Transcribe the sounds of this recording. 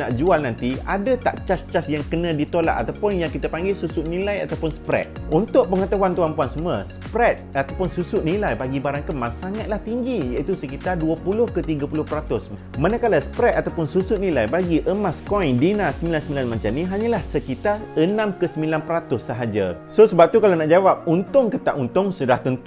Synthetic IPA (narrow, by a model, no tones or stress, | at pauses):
naʔd͡ʒualnãnt̪iadat̪a̰ʔt͡ʃast͡ʃasjaŋkənãdit̪ola̰ʔ̪̚a̰t̪awpʊnjaŋkit̪apaŋɡɪlsusʊʔ̪nĩlaja̰t̪awpʊnsə̥pɾɛ̰t̪̚unt̪ʊʔ̚pəŋət̪aɦwant̪uanpuansuməspɾɛt̪̚at̪awpʊnsusuʔ̚nĩlajbaɡibaɾaŋkəmasaŋat̪̚laht̪iŋɡijait̪usəkit̪arduəpulʊhkət̪iɡəpulʊhpəɾat̪ʊs | manakalasə̥pɾɛt̪̚at̪awpʊnsusʊt̪̚nĩlajbaɡiʔəmaskɔjndinasəmilansəmilanmãɲt͡ʃanĩɦaɲãlahsəkit̪arənãmkəsəmilanpəɾat̪ʊsːəɦad͡ʒa̰sosəbap̚t̪ukalanaʔd͡ʒawap̚unt̪ʊŋkət̪a̰ʔunt̪ʊŋsudaht̪ənt̪